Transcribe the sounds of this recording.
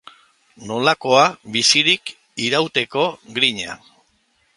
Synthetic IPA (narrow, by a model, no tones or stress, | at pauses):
no̞lako̞aβisiɾik | iɾawt̪e̞ko̞ɣɾiɲa̰